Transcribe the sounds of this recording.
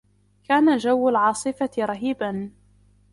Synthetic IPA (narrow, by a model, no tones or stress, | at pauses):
kaːnad͡ʒawːalʕɑːsˤɨfaɾˤɑɦiːban